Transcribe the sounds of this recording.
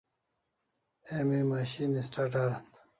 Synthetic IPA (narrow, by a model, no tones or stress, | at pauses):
emimaɕinisʈaʈaːɾɐn